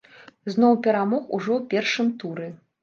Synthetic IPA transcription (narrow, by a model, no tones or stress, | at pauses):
znɔwpʲɛɾamɔxṵʐɔwpʲɛrʂɨmt̪uɾɛ